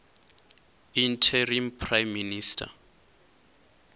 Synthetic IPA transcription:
intʰɛrimpʰrajmːinistʰa̰

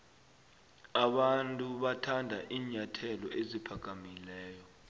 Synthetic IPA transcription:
aɓantʼuɓatʰandʱa̰ʔiːɲatʰɛlɔ̰ʔezipʰaɡ̥̬ʱʼamilɛːjɔ

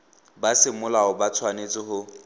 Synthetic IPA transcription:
basɪmʊlaʊbat͡sʰwanet͡sʼɪhʊ

